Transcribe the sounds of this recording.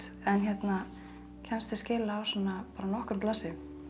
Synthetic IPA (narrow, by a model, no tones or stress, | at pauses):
ɛnçjɛt̪na | cʰɛnst̪ɪscɪːlaːwsɔnːapaːɾanɔhkʏɾmplaːsɪ